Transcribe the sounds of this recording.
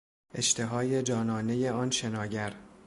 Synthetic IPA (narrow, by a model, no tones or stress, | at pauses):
ʔe̞ʃt̪ʰe̞ɦɒːje̞d͡ʒɒːnɒːne̞je̞ɒːnʃe̞nɒːɟæɾ